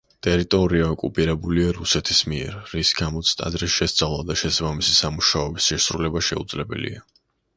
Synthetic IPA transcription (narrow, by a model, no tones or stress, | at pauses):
t̪ʼɛɾit̪ʼɔɾiaɔkʼupʼiɾɛbuliaɾusɛt̪ʰismiɛɾːisɡamɔt̪sʰt̪ʼa̰d̪ɾisʃɛst̪sʼavlˠad̪aʃɛsabamisisamuʃaɔbisʃɛsɾulɛbaʃɛud̪zlɛbɛ̰lḭa